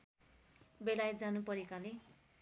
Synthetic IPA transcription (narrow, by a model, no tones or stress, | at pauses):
belajet̪̚d͡zanupʌɾekale